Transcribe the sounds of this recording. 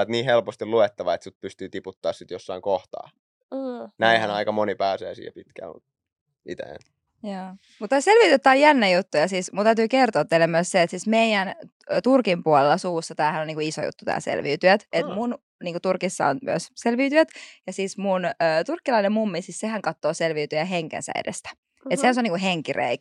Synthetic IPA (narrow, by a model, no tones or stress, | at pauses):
et̪niːhelpost̪iluet̪ːɑʋɑet̪sut̪̚pyst̪yːt̪iput̪ːɑːssit̪josːɑiŋkoht̪ɑ̰ː | næihænɑikɑmonipæːsḛːsḭːhḛpit̪kæ̰lmṵt̪ | ḭt̪ḛːn | jɑː | mut̪t̪ːæːselʋiːt̪yøt̪ːæojænːæjut̪ːujɑsiːsmut̪æyt̪yːkert̪oːt̪ːelːemyøsseːt̪siːsmeijæn | t̪urkimpuolelːɑsuːsːɑt̪æːhænoniːŋkuiso̰jṵt̪ːut̪æ̰ːsḛlʋḭːt̪yæt̪et̪mun | niːŋkut̪urkisːɑ̰o̰nmy̰æ̰sselʋiːt̪yæt̪jɑsiːsmunəːt̪urkːilɑinemmumːisiːssehæŋkɑt̪ːoːselʋiːt̪yæɦeŋkḛnsæ̰ḛdest̪æ̥ | et̪sehænseoniŋkuɦeŋkirḛik